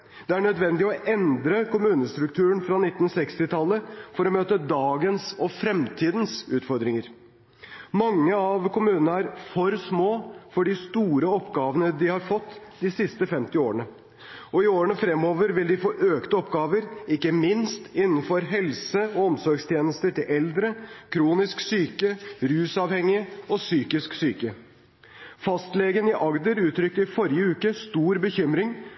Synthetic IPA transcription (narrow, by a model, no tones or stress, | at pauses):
d̪̥ɛæɳœd̪ʋɛnd̪ɪɔʔɛnd̪ɾəkʊmʉːnəst̪ɾʉk̚t̪ʰʉːəɳfɾɑnɪt̪ːn̩sɛkst̪ɪt̪ʰɑlːəfɔɾɔmøːt̪əd̪ɑːɡənsɔfɾɛmt̪ʰiːd̪ən̩sʉːt̪fɔɾd̪ɾɪŋəɾ | mɑŋːəɑʋkʊmʉːnənəæɾfɔɾsmoːfɔɖɪst̪uːɾəɔpːɡɑːʋənəd̪ɪhɑɾfɔt̪ː | d̪ɪsɪst̪əfɛmt̪ɪoːɾəɳə | ɔɪoːɾəɳəfɾɛmːoːʋəɾʋɪld̪ɪfoːʔøːkt̪ɔpɡɑːʋəɾɪkːəmɪnst̪ɪnːn̩fɔɾɦɛlsəɔɔmsɔɾɡst̪ʰjeːnəst̪əʈɪlʔɛld̪ɾəkʰɾuːnɪsksyːkəɾʉːsɑʋhɛŋːɪəɔsyːkɪsksyːkə | fɑst̪leːɡənɪʔɑɡd̪əɾʉːt̪ɾʏkːəɾfɔɾjəʉːkəst̪uːɾbəçʏmɾɪŋ